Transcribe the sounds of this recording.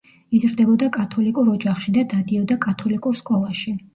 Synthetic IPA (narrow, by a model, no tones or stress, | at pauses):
izɾd̪ɛbɔd̪akʼat̪ʰɔlikʼuɾɔd͡ʒaχʃid̪ad̪ad̪iɔd̪akʼat̪ʰɔlikʼuɾskʼɔlˠaʃi